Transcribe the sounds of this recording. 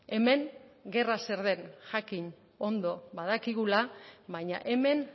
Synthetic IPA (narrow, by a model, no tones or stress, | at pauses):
e̞me̞ŋɡe̞rase̞ɾðe̞nʝakiɲ | o̞nd̪o̞βað̞akiɣ̞ulaβajɲa̰ʔe̞me̞n